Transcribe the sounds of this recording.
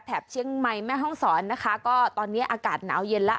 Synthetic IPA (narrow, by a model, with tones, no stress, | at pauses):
p̪ʰɛː˨˩p̚t͡ɕʰi˧˥˩əŋma˧jmɛː˥˩ɦɔ˥˩ŋsɔː˩˦nːa˦˥kʰa˦˥kɔː˥˩t̪ɔː˧nːi˦˥ɐʔaː˧kaː˨˩t̪̚na̰ː˩˦wje˧nla˦˥